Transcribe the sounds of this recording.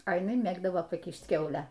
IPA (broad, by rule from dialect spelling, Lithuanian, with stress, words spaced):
ɐ jɪˈnɐɪ ˈmʲeːɡdɐʋoː pɐˈkʲiːʃt ˈkʲɛʊlʲæː